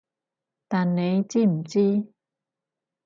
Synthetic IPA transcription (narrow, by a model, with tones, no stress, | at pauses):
t̪a˨nːe˨˦jt͡ɕi˥˧˩m̩˨˩t͡ɕi˦